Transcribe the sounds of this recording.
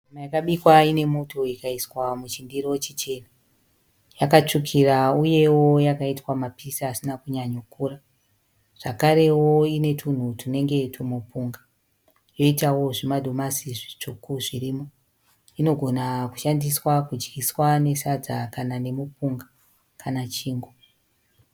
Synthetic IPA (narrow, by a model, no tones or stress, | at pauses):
amajakaɓikwaine̞mo̞to̞ikaiswamut͡ʃindiɾo̞t͡ʃit͡ʃe̞na | jakat͡ʂukʰirauje̞wo̞jakaitwamapisaːsinakuɲaɲokuːra | ʐ̥akaɾe̞wo̞ine̞tʰun̤utune̞ŋɡe̞tʰumupuŋɡa | jo̞itawo̞ʐimadʱomasiʐit͡ʂukuʐiriːmo̞ | ino̞ɡʱonaku̥ʃandiswakud͡ʒɡiswane̞sad͡zakanane̞mupuŋɡa | kanat͡ʃiːŋɡo